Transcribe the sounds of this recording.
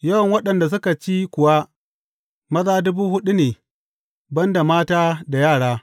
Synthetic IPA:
jɐ˦wɐ˨ŋwɐ˦ɗɐ˨nda˨s̬ʊ˦ka˨t͡ʃi˦kʷʊ˨wa˦ | mɐ˦ðaː˦dʊ˦buː˦hʊ˦ɗu˦neː˨ | bɐ˦nda˨maː˦taː˦da˨jaː˦˨ɽaː˦

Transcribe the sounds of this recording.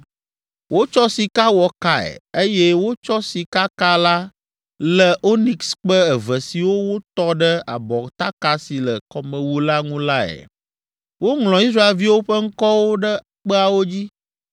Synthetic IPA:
wʔo˦t͡ʃɔ˦si˨ka˦wɔ˨ka˦ɛ̰˨e˦jɛ˦wo˦t͡ʃɔ˦si˨ka˦ka˦la˦ | lə˦ʔo˦ni˨ksk͡pə˦ɛ˨və˨si˨wo˦wo˦t̪ɔ˦ɖə˦a̰˨bɔ˨t̪a˦ka˦si˨lə˨kɔ˨mə̃˨wu˦la˦ŋũ˦la˦ɛ̰˨ | wo˦ŋlɔ̃˨i˦s̬ɾa˦e˨lvi˦wo˦ɸə˦ŋ̩˦kɔ˦wo˦ɖə˦ | k͡pə˦a˨wo˦d͡ʑi˦

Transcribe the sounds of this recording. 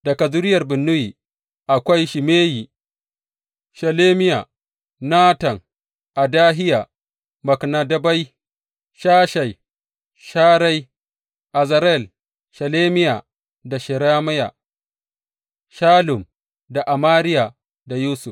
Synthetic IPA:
d̥ɐ˨ka˨zʊ˦ɾɪ˦jɐ˨rbɪ˨nːʊ˦jiː˨ | ʔa˨kʷa˦jʃɪ˨meː˦ji˨ | ʃɐ˨leː˦mɪ˦ja˨ | naː˦tɐ˨ŋ | ʔa˨daː˦ɦɪ˦ja˨ | mɐ˨kna˨dɐ˦ba˦j | ʃaː˦ʃa˨j | ʃaː˦ɾa˦j | ʔa˨zɐ˨ɾɛ˦˨l | ʃɐ˨leː˦mɪ˦ja˨ | da˨ʃɪ˨ɾaː˦ma˦ja̰˨ | ʃaː˦lʊ˨m | da˨ʔa˨maː˦ɾɪ˦ja˨ | da˨juː˦sʊ˨f

